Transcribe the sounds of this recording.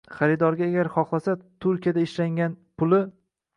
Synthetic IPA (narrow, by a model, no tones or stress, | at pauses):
χaɾɪd̪ɒɾɡʲaːɡʲaɾχɒχlˠasat̪ʰʊɾkʲijad̪aɪʃlaŋɡʲanpʰʊlˠɪ